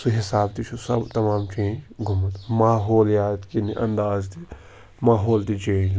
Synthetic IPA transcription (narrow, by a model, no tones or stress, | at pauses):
suɦɪsaːbt̪it͡ʃʰusɐ̰bt̪ɐmaːmt͡ʃẽːd͡ʒɡʱʊmət̪maːɦoːljaːt̪kiniʔɐ̰nd̪aːzt̪i | maːɦoːld̪it͡ʃeːd͡ʒ